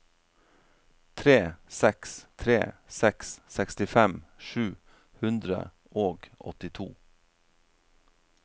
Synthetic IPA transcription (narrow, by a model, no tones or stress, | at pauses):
t̪ʰɾeːsɛkst̪ʰɾḛːsɛkssɛkst̪ɪfɛmʃʉː | hʉnd̪ɾə̰ | ʔoːɡɔ̰t̪ɪt̪ʰṵː